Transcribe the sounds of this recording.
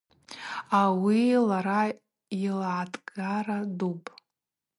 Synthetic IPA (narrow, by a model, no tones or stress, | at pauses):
awilaɾa | ilaatʼɡaradupʼ